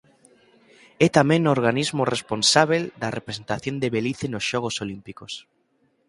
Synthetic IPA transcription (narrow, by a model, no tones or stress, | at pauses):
ɛt̪amẽŋnooɾɣanizmoresponsaβeld̪ɐrepɾesent̪aθjond̪eβeliθenosʃɔɣ̞osolimpikos